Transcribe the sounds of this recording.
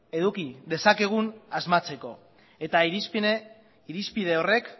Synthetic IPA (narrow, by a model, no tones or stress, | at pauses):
e̞ðukiðe̞sake̞ɣ̞unazmat͡se̞ko̞ | et̪aiɾis | iɾispið̞e̞o̞re̞k